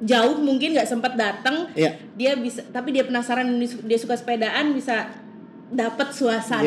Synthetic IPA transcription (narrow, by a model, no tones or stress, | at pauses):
d͡ʒaʊhmuŋkɪnɡaʔsəmpət̪̚dat̪əŋ | diabisat̪apidiapənasaɾanisudiasukasə̥pedaʔanbisa | dapət̪̚suasa